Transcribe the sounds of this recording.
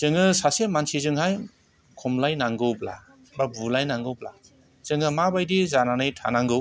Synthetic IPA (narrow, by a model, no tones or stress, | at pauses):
z̥ɯŋɯsasemansizɯŋhaj | kʰɔmlajnaŋɡɯwbla̰ | babulajnaŋɡɯwbla̰ | z̥ɯŋɯmabajdizananɯjtʰa̰naŋɡɯw